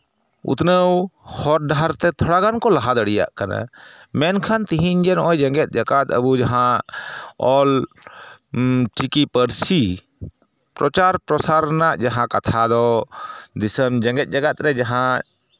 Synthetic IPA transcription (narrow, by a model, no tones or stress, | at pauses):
ṵt̪nəwhɔɾɖaɾt̪ɛt̪ʰəɽaɡankɔlaɦad̪əɽija̰ʔkana̰mɛnkʰant̪iɦind͡ʒɛnɔjd͡ʒəŋɡɛt̪̚ˀd͡ʒaɡat̪ə̰bud͡ʒaɦã | ɔl | ʈikipəɾsi | pɾɔt͡ʃaɾpɾɔsaɾnaʔd͡ʒaɦãkat̪ʰad̪ɔ | d̪isəmd͡ʒəŋɡɛt̪̚ˀd͡ʒaɡat̪̚ɾɛd͡ʒaɦã